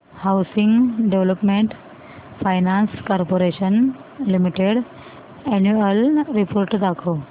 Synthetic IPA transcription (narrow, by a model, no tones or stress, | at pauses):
hawsiŋɡɖeʋləpmeɳʈ | fajnãnskɔɾpoɾeɕən | limiʈeɽ | ɛnjuəlɾipoɾʈd̪akʰo